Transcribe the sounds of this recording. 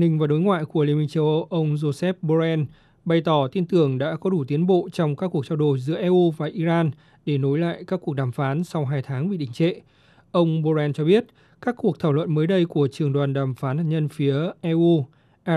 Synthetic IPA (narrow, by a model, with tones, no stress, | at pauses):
nï˧ŋ̟vaː˨˩ɗo˨˦jŋwa̰ː˧˨jku˧˩əli˧mï˧ŋ̟t͡ɕə˧wʔə˧wʔə˧wŋ͡mzo˧sɛ˦˥p̚ɓo˧zɛ˧n | ɓa˧˩jt̪ɔ˧˩t̪i˧ənt̪ɨ˨˩əŋɗa̰ː˧˥kɔ˨˦ɗu˧˩t̪i˨˦ənɓo̰˧˨t͡ɕɔ˧wŋ͡mkaː˦˥kːu˨˩ək̚t͡ɕa˧wɗo˧˩jzɨ̰˧˥əʔɛ˧ʔu˧vaː˨˩ʔi˧zaː˧n | ɗe˧˩no˨˦jla̰ː˧˨jkaː˦˥kːu˨˩ək̚ɗaː˧˩mfaː˨˦nsa˧wɦaː˧jt̪ʰaː˨˦ŋɓḭ˧˨ɗḭ̈˧˩ŋ̟t͡ɕḛ˧˨ | ʔə˧wŋ͡mɓo˧zɛ˧nt͡ɕɔ˧ɓi˦˥ət̚ | kaː˦˥kːu˨˩ək̚t̪ʰaː˧˩wlwə̰˧˨nməː˨˦jɗə˧jku˧˩ət͡ɕɨ˨˩əŋɗwaː˨˩nɗaː˧˩mfaː˨˦nhaː˨˩t̚ɲə˧nfi˨˦əʔɛ˧ʔu˧ | ʔ